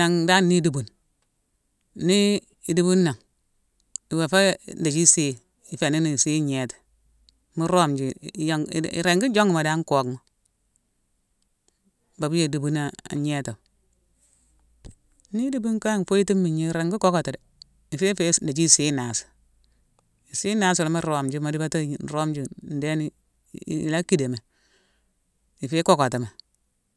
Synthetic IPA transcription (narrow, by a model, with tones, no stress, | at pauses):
a˨ŋda˦nːi˦du˨bu˨n | i˦ | i˨du˦bu˦nːa˨ŋ | i˨we˨fe˦nda˨d͡ʒi˦se˦ | i˨fe˨ni˦ni˨si˦ɲe˨ti̥˨ | mu˦ɾo˦md͡ʒi˨jŋ̰˨ɾe˨ŋɡi˦d͡ʒo˦ŋi˨ma˨da˦ŋ˦ko˨kma˦˨ | ba˨bi˦je˨du˨bu˦na˦a̰˨ɲe˦ta˨ | ni˦di˦bu˦ŋ˦ka˦ŋ˨fo˦ji˦ti˦mːi˨ɲi˦ɾe˨ŋɡi˦ko˦ko˨ta˨de˨ | i˨fe˦fe˦da˨d͡ʒi˦siː˦na˨si̥˨ | i˨si˦naː˦su˨la˦mi˦ɾo˨md͡ʒi˦ma˨di˦ba˦ta˦˨n˨ɾo˦md͡ʒi˨n̩˨de˦nḭ˦˨ | la˦ki˦de˨me˨ | i˨feː˦ko˦ko˨ti˨ma˨